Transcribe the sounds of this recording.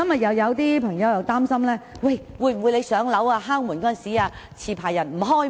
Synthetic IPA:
ɐ˥mjɐ˨t̚jɐ˨˧wjɐ˨˧wt̪iː˥pʰɐ˨˩ŋjɐ˨˧wjɐ˨wt̪aː˥msɐ˥mlɛː˥wɐ˥˧j | wu˨˧jm̩˨˩wu˨˧jle˨˧jsœː˨˥ŋlɐ˨˥waː˧ɦaː˥ŋmu˨˩nkɔː˥˨˩nsiː˨˥aː˧ | t͡sʰiː˨˩pʰaː˨˩jːɐ˨˩nm̩˨˩ɦɔː˥j

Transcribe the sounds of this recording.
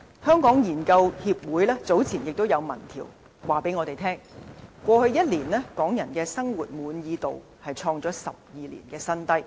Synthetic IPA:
hœː˥ŋkɔː˨˥ŋjiː˨˩nkɐ˧whiː˧p̚wuː˨˥jlɛː˥t͡so˨˥wt͡sʰiː˨˩njɪ˨k̚t̪o˥wjɐ˨˧wmɐ˨˩nt̪ʰḭː˨˩w | waː˨˩pe˨˥jŋɔː˧t̪e˨˩jt̪ʰɛː˥ŋkʷɔː˧hɵ˧ɥjɐ˥t̚liː˨˩nlɛː˥kɔː˨˥ŋjɐ˨˩nkɛː˧sɐ˥ŋwuː˨t̚muː˨˧njiː˨˧t̪o˨w | hɐ˨jt͡ʃʰɔː˧ŋt͡ʃɔː˨˥sɐ̰˨p̚jiː˨lḭ˨˩nkɛː˧sɐ˥nt̪ɐ˥j

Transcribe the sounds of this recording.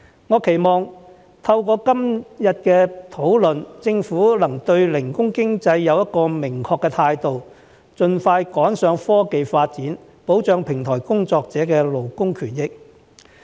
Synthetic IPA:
ŋɔː˨˧kʰe˨˩jmɔː˨ŋ | t̪ʰɐ˧wkɔː˧kɐ˥mjɐ˨t̚kɛː˧t̪ʰo˨˥wlɵ˨nt͡sɪ˧ŋfuː˨˥lɐ˨˩ŋt̪ɵ˧ɥlɪ˨˩ŋkʊ˥ŋkɪ˥ŋt͡sɐ˧jːɐ˨˧wjɐ˥t̚kɔː˧mɪ˨˩ŋkʰɔː˧kːɛː˧t̪ʰaː˧jt̪o˨w | t͡sɵ˨nfaː˧jkɔː˨˥nsœː˨˧ŋfɔː˥ke˨jfaː˧t̚t͡siː˨˥n | po˨˥wt͡ʃœː˨˧ŋpʰɪ˨˩ŋt̪ʰɔː˨˩jkʊ˥ŋt͡sɔː˧k̚t͡sɛː˨˥kɛː˧lo˨˩wkʊ˥ŋkʰyː˨˩njɪ˥k̚

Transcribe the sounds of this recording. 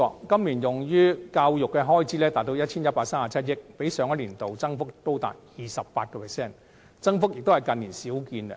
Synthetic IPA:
kɐ˥mliː˨˩njʊ˨˩ŋjyː˥kaː˧wjʊ˨kːɛ˧ɦɔː˥jt͡siː˨˥lɛː˥t̪aː˨t̚t̪o˧wjɐ˥t̚t͡sʰiː˥njɐ˥t̚paː˧k̚saː˥maː˨t͡sʰɐ˥t̚jɪ˥k̚pe˨˥jsœː˨˥ŋjɐ˥t̚liː˨˩nt̪o˨wt͡sɐ˥ŋfʊ˥k̚t̪o˥wt̪a̰ː˨t̚jiː˨˩sɐ˨p̚paː˧t̚kɔː˧pʰɛ˨˩sɛː˥˩n | t͡sɐ˥ŋfʊ˥k̚jɪ˨k̚t̪o˥hɐ˨˩jkɐ˨˧nliː˨˩nsiː˨˥wkiː˧nɛ˧

